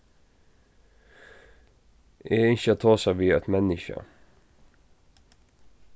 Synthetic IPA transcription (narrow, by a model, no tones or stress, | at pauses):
ʔeːɪçət̪ʰɑːsɑʋiːɛt̪mɛnɪçə̰